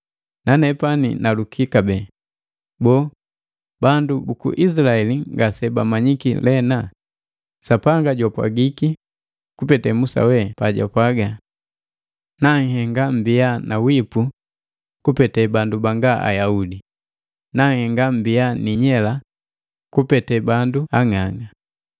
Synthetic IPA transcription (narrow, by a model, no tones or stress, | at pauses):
nanɛpanḭnalukʰikabɛ | bɔː | bandubukṵʔis̬ilaɛliŋɡasɛbamaɲikḭlɛna | sapaŋɡaɟapwa̰ɡiki | kupɛtɛmusa̰wɛpaɟa̰pwaɡa | naŋ̩hɛŋɡam̩bijanʔawipu | kupɛtɛbandubaŋɡaʔa̰jaudi | naŋhɛŋɡam̩bijaniɲɛla | kupɛtɛbanduaŋaŋa